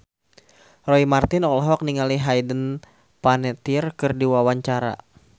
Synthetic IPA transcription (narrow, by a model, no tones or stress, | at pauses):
rɔimart̪ɪnɔlɔɦɔk̚niŋaliɦajdən | panɛt̪irkɨrdiwawaɲt͡ʃaɾa̰